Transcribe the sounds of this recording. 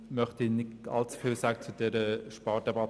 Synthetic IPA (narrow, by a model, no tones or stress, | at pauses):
mœχt̪inɪɑ̰lt͡su̥fɪlsæːɡ̥ət͡sud̪ɛɾəʃpɑːɾdɛbɑt